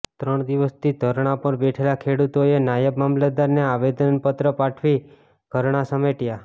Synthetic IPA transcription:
t̪ɾəɳ̃d̪iʋəst̪ʰid̪ʱəɾɳ̃apəɾbeʈʰelakʰeɽut̪oenajəbmamlad̪aɾneaʋed̪ənpət̪ɾəpaʈʰʋi | ɡ̥ʱəɾɳ̃asəmeʈja

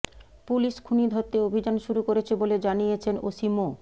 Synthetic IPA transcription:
puliʃkʰunid̪ʱot̪ːeobʱid͡ʑanʃuɾukoɾet͡ɕʰeboled͡ʑanijet͡ɕʰeno̰ʃimo

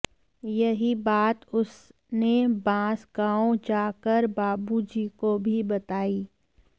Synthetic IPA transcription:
jɐɦibaːt̪ʊs | nebãːsɡãːõd͡ʒaːkəɾbaːbud͡ʒiːkobʱibɐt̪aːiː

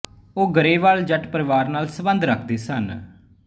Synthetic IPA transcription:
oːɡəɾeːʋaːld͡ʒəʈpəɾɪʋaːɾnaːlsəbənd̪ɾəkʰd̪eːsən

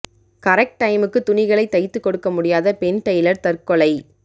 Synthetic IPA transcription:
kɐɾɛk̚ʈʈːɐɪmɯkːɯt̪ʊnɪɣɐɭɐɪt̪ːɐɪt̪ːɯkːɔɽɯkːɐmʊɽɪjaːðɐpɛnʈɐjlɐɾt̪ɐɾkɔɭɐɪ

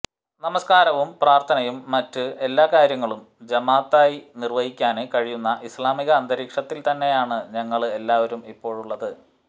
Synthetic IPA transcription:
nɐmɐskaːɾɐʋumpraːrt̪ʰɐnɐjumːɐtːɨe̞lːaːkaːɾjɐŋːɐɭum | d͡ʑɐmaːt̪ːaːjinirʋɐɦikʲːaːnekɐɻijunːɐʔislaːmiɣɐːnd̪ɐɾiːkʂɐt̪ːilt̪ɐnːe̞jaːɳɨɲɐŋːɐɭe̞lːaːʋɐɾumipːo̞ːɻuɭːɐðɨ

